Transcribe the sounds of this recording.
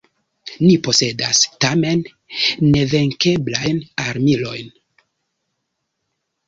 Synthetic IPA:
nipo̞se̞dastame̞nː | e̞ve̞ŋke̞blajnaɾmilo̞̰jn

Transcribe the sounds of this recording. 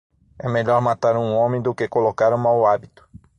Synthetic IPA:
ɛmeʎɔɾmat̪aɾũõmẽj̃d̪ʊkekolokaɾũmawabit̪ʊ̥

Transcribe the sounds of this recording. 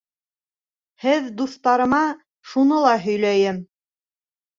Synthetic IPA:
hɘðd̪uθt̪ɑɾɤ̆mɑ | ʃunɤlˠɑɦɵ̆jlæjɘm

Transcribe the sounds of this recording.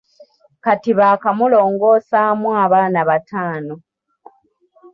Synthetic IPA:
katiβakamulo̞ːŋɡo̞ːsamwaːβaːnaβatʰaːno

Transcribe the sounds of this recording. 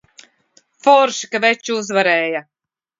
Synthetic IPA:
fɔɾʃi̥kavɛt͡ʃːuzvaɾɛːja

